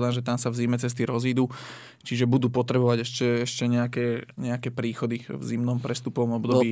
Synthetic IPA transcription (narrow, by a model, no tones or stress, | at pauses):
d̪anʒɛt̪amsavzimɛt͡sɛs̬t̪iɾɔziːd̪u | t͡ʃiʒɛbud̪uːpɔt̪ɾɛbɔʋaɟɛʃcɛɛʃcɛɲɛakɛːɲɛakɛːpɾiːxɔd̪ivzimnɔmpɾɛst̪upɔʋɔmɔbd̪ɔbiː